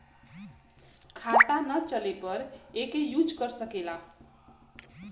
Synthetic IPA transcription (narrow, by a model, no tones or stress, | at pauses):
kʰat̪anʌt͡sʌlepʌɾekejud͡zɡʌrsʌkela